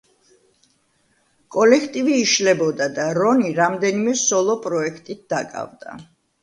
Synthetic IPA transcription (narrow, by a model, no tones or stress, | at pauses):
kʼɔlɛkʰt̪ʼiviːʃlɛbɔd̪ad̪aɾɔniɾamd̪ɛnimɛsɔlˠɔpʼɾɔɛkʰt̪ʼit̪̚d̪akʼa̰vd̪a̰